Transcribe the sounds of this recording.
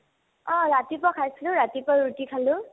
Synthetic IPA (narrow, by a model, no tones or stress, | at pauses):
ɔ̃ɹatipɔkʰajsilʊɹatipɔutikʰalʊ̃